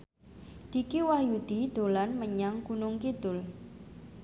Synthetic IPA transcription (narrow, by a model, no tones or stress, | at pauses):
d̪̥ikiwahjud̪̥id̪̥o̤lanməɲaŋkunʊŋkid̪̥ʊl